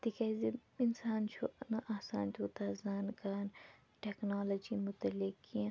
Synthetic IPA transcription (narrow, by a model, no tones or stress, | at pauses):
t̪ikaziinsaːnt͡ʃʰunɐʔaːsaːnt͡ʃʰut̪aːzaːnkaːn | ʈeːknaːlɐd͡ʒimʊt̪ɐlɪkːiã